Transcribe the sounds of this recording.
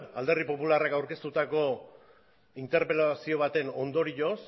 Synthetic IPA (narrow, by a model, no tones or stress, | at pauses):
ald̪e̞ripo̞pularakawɾke̞st̪ut̪ako̞ | int̪e̞ɾpelasio̞β̞at̪e̞no̞nd̪o̞ɾiʎo̞s